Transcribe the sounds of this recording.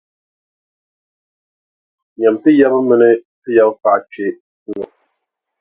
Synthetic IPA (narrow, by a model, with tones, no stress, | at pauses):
ɲa˨m˨tɨ˦ja˦bɨ˦mɨ˦nɨ˦tɨ˦ja˦bpa˨ʔke˦ | ŋɔ˨